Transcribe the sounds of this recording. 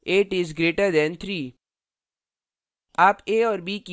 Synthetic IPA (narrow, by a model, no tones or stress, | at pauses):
eːʈɪzɡɾeːʈəd̪ɛ̃nt̪ʰɾiː | aːpeːɔːɾbiːki